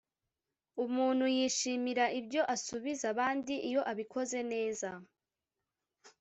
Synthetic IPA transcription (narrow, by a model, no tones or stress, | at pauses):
umuːn̥hujiːʃiːmiɾaʔibɟo̞ʔasuβizaβaːndiʔijo̞ʔaβikʰo̞ze̞ne̞ːza